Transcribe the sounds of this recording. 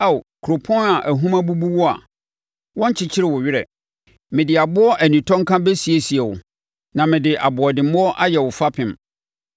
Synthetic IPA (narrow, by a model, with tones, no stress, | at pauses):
a˦˨wkʰu˨ɾo˨pʰɔ̃˦na˨ʔæ˨ɦũ˦mã˦bu˦bu˦wʊ˦a̰˨ | wɔ̃˦ɲ˦t͡ɕʰɪ˨t͡ɕʰɪ˦ɾɪ˨wʊ˨ɥɪ˦ɾɛ̰˨ | mɪ̃˨dɪ˨a˨bʊ˦ɔ˦ʔæ˨nĩ˨tʰɔ̃˦ŋkʰã˦be˦si˨e˨si˨ɛ˨wʊ̰˨ | nã˨mɪ̃˨dɪ˨ʔa˨bʊ˨ɔ˨dɪ̃˨mʊ̃˦ɔ˦ʔa˦jɛ˨wʊ˨fa˦pʰɪ̃˨m